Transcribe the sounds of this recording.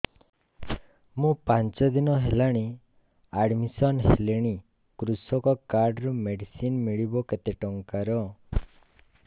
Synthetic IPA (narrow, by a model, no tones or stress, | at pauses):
mũpant͡ʃɔd̪inɔɦelaɽ̃i | aɖmisɔnɦeleɽ̃i | kɾusɔkɔkaɾɖɾɔmeɖisinmiɭibɔket̪eʈɔŋkaɾɔ